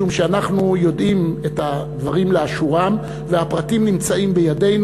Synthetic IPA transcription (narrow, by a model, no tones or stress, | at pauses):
umʃeanaχnujo̞dimetad̪vaʁimleaʃuʁam | vehapʁatimnimt͡saimbe̞jade̞jn